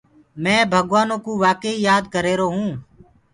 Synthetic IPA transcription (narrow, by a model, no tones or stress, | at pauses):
mɛ̃ːbʱəɡʋaːnõːkuːʋaːkəiːjaːd̪kəɾeːɾoːɦũː